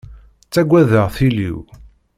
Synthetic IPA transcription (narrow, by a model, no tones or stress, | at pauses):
t͡sːæɡʷːæðəʁθilḭw